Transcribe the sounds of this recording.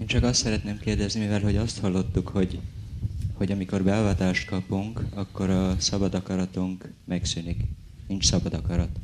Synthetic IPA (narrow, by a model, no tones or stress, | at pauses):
eːnt͡ʃɒkɒst̪sɛɾɛt̪neːmkeːrd̪ɛznimivɛlɦo̞ɟɒst̪hɒlːo̞t̪ːukho̞ɟ | ho̞ɟɒmiko̞rbɛlvaːt̪aːʃt̪kɒpuŋkɒkːo̞ɾɒsɒbɒd̪ɒkɒɾɒt̪uŋk | mɛksynik | nint͡ʃsɒbɒd̪ɒkɒɾɒt̪